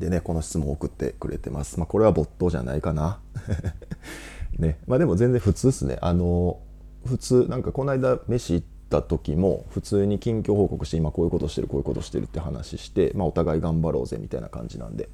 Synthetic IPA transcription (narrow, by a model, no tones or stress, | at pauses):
d̪e̞ne̞ko̞no̞ɕi̥t͡sɨmõokɯ̟t̪ːe̞̰kɯ̟ɾʔe̞̰t̪e̞̰ma̰sɨ̥mako̞ɾe̞βabo̞t̪ːo̞ːʑa̰na̰ikana | ne̞maːd̪e̞mo̞zẽ̞nd͡zẽ̞ɸɯ̟t͡sɨːsɨne̞̰ʔano | ɸɯ̟t͡sɨːnãŋkako̞naid̪ame̞ɕiːt̪ːat̪o̞kʲimo̞̰ɸɯ̟t͡sɨːɲ̟ikʲĩŋkʲo̞ːho̞ːko̞kɯ̟ɕi̥teimako̞ːiɯ̟kot̪o̞ɕi̥t̪eɾɯ̟koji̟kot̪o̞ɕi̥t̪e̞ɾɯ̟t̪ːeɯ̟hana̰ɕiɕi̥t̪e̞̰mao̞t̪aɡaiɡãmbaɾo̞ːze̞̰mʲit̪ainakã̰ɲd͡ʑinã̰nd̪e̞̰